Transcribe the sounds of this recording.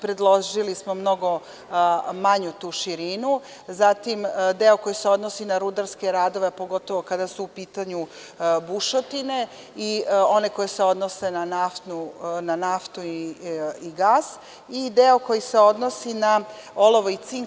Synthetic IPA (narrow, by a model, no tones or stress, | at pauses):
pɾed̪lˠo̞ʒilismo̞mno̞ɡo̞ | maɲut̪uːʃiɾinu | zat̪imd̪eoko̞jiseo̞d̪no̞sinaɾud̪aɾske̞ɾaːd̪o̞ʋe̞po̞ɡo̞t̪o̞ʋo̞kad̪asuːpiːt̪aɲu | buʃot̪ine̞ | io̞ne̞ko̞jese̞o̞d̪no̞se̞nanaft̪nunanaft̪u | iɡaːs | id̪eo̞ko̞jise̞o̞d̪no̞sinao̞lo̞ʋoit̪siŋ